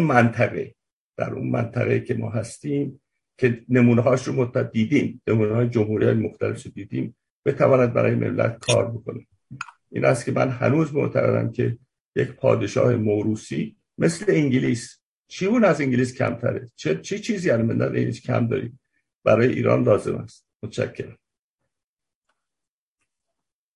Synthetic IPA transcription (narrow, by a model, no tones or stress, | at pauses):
unmænt̪ʰæɣe̞ | d̪̥æɾṵnmæ̰nt̪ʰæɣecʰe̞mɒːɦæst̪iːm | cʰe̞ne̞muːneɦɒːʃɾomot̪ʰːæd̪iːd̪iːmnemuːnɛɒːjed͡ʒomhuːɾiɒːjemoxt̪ʰælefɾod̪iːd̪iːm | b̥e̞t̪ʰævɒːnæd̪̚bæ̰ɾɒːjeme̞̰mlæ̰t̪̚kʰɒːɾbo̞kʰo̞ne | ʔḭːnhæst̪̚cʰemʔænhæ̰nuːzmoʔt̪ʰæɣe̞̰d̪æ̰mcʲʰe̞ | jecpʰɒ̰ːd̪e̞ʃɒ̰ːhemoɾuːsiː | me̞sleiŋɟiliːs | t͡ʃʰiːbuːnæziŋɟiliːscʰæ̰mt̪ʰæɾet͡ʃʰet͡ʃʰit͡ʃʰiːziːæɾmend̪æneiniscʲʰæ̰md̪ɒːɾḭd̪ | b̥æɾɒːjeʔḭːɾɒ̰ːnlɒːze̞̰mæst̪̚mot̪ʰʃʰæcʰːe̞ɾæm